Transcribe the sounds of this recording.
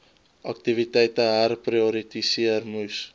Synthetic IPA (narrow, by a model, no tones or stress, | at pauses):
ak̚t̪ivit̪ajt̪aaɾprioɾit̪isiarmus